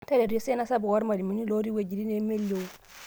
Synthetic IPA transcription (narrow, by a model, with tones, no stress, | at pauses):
ta˦le˨ɾo˦sɛ˦na˦sa˦bu˨wɔ˦ɾma˨li˨mi˨˦ni˦lo˦ɾi˦we˨d͡ʒi˨ɾi˦ne˦me˦lːo˨˦